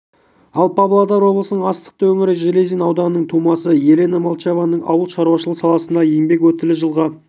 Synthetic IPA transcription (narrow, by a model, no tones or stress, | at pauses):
ɑlˠpʰɑblˠɑd̪ɑɾwo̞blˠəsənəɴɑst̪ə̥q̚t̪əwɵŋɪɾɪʒelezinɑwd̪ɑnənəɴt̪ʰumɑsəje̞le̞namɑlˠt͡ʃɑvɑnəɴʔɑ̰wəlˠʃɑɾuɑʃəlˠəsɑlˠɑsənd̪ɑjeŋbe̞kwɵt̪ɪlɪʒəlˠʁɑ